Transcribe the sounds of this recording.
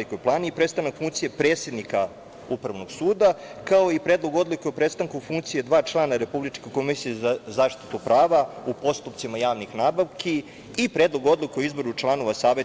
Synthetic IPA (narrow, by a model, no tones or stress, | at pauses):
ikojplˠaːniipɾe̞t̪st̪anakfuŋkt̪sijepɾe̞ːt̪sje̞d̪nika | upɾaʋnoɡ̥suːd̪akaoipɾed̪lˠo̞ɡo̞d̪likeopɾe̞st̪aŋkufuŋk̚t̪sije̞d̪ʋaːt͡ʃlˠanaɾe̞publit͡ʃkeko̞misijezazaːʃt̪i̥t̪upɾaːʋaupo̞st̪upt̪simajaːʋnixnaːbaʋki | ipɾed̪lˠo̞ɡo̞d̪likeoizboɾut͡ʃlˠano̞ʋasaːʋe